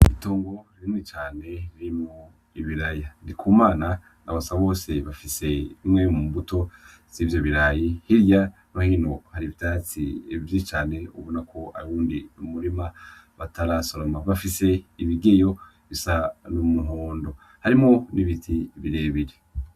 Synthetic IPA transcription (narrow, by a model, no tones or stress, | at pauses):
itoːŋɡo̞ɾiɾinŋit͡ʃaːne̞ɾiɾimŋo | iβiɾajandikʰuːmaːna | naβasaβo̞ːse̞βafise̞imŋe̞muːmbuto̞ | z̥ivjoβiɾajihiɾja | βahino̞haɾiβitat͡sḭvjit͡ʃaːne̞ṵβonakʰo̞a̰ɾuːndinumuɾimaβataɾasoɾomaβafise̞iβiɡejo̞ | βisanumuɦoːndo̞ | haɾimŋo̞niβitʰiβiɾe̞ːβiɾe